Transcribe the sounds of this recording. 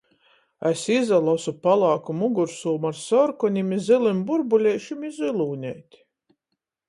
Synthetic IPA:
æsizalˠɔsupalˠaːkumuɡuɾsuːmaɾsɔɾkɔnʲimizilˠimbuɾbulʲɛjʃimizilˠuːnʲɛːt̪ʲ

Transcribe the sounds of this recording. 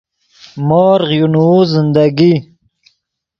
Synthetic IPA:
mɔːɾʁjunuzɪnd̪aɡi

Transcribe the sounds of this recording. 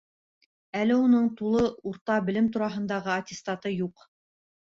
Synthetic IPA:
ælɘunɤɴt̪ulˠɤuɾt̪ɑbɘ̆lɘmt̪uɾɑɦɤ̆nd̪ɑʁɤɐt̪ʲɪst̪at̪ɤjuq

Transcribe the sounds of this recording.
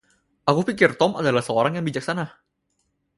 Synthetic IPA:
ʔakʰupʰikiɾt̪omʔad̪alasɔːɾaŋamiːak̚sana

